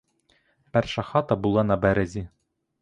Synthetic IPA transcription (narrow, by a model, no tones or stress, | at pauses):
pæɾʃɑχɑt̪ɑbulˠɑnɑbæɾæzi